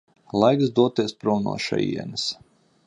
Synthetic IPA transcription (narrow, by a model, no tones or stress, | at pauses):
lˠajksd̪uɔt̪iɛspɾɔwnṵɔːʃa̰jḭɛnɨs